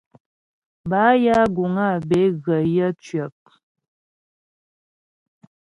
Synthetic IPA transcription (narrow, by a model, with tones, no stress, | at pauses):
ba˨˦ja˦ɡu˨ŋa˦˨be˨˦ɣə˨jə˦t͡ʃɥə˨p̚